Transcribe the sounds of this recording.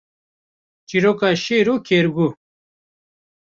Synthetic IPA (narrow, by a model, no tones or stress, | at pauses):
t͡ɕiɾokaɕeɾukʰeːɾɡu